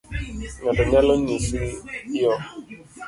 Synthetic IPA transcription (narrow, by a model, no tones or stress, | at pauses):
ɲɔ̃dɔɲalɔɲisiiɔ